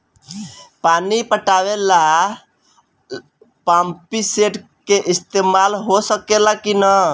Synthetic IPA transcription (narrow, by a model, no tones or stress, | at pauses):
panipəʈawela | pampiseʈ | keʔist̪emalɦosəkelakinə